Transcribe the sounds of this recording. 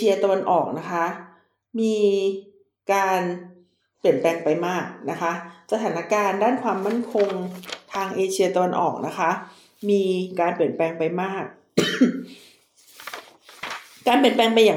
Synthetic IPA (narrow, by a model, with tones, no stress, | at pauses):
i˧ɐt̪a˧wa˧nʔɔː˨˩k̚na˦˥kʰa˦˥ | miː˧ | kaː˧n | pli˨˩ənplɛː˧ŋpa˧jmaː˥˩k̚na˦˥kʰa˦˥ʔsa˧t̪ʰaː˩˦na˦˥kaː˧ndaː˥˩nkʰwaː˧mːa˥˩nkʰo˧ŋt̪ʰaː˧ŋʔeː˧t͡ɕʰi˧ɐt̪a˧wa˧nʔɔ̰ː˨˩k̚na˦˥kʰa˦˥ | miː˧kaː˧npli˨˩ənplɛː˧ŋpa˧jmaː˥˩k̚ | kaː˧npli˨˩ənplɛː˧ŋpa˧jaː˨˩